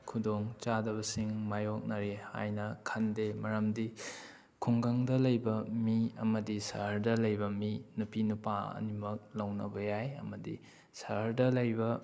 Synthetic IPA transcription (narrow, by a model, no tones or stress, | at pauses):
kʰudoŋt͡ʃadɐβɐsiŋmajok̚nɐɾeha̰jnɐkʰɐndemɐɾɐmdi | kʰuŋɡɐŋdɐlɐjbɐmiɐmɐdisɐ̰ɦɐɾdɐlɐjbɐminupinupaɐ̰nimɐk̚lɐwnɐbɐjajɐ̰mɐdḭ | sɐɦɐɾdɐlɐjbɐ